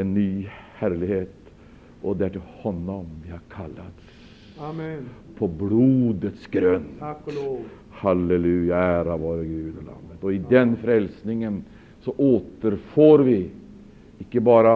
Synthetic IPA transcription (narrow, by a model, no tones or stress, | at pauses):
ɛnːyːhæɾlɪheːt̪ | ʔɔd̪ɛæʈɪlhɔnːɔmʋɪhɑɾkʰalːat̪ | pʰɔbluːd̪ət̪sɡ̥ɾœn | hɑlɛlʉːjaæːɾaʋoːɾəɡʉːd̪ɔla̰mːət̪ɔɪd̪ɛnfɾɛlsnɪŋən | sɔʔoːt̪əɾfoːɾʋɪ | ɪkːəbɑːɾɑ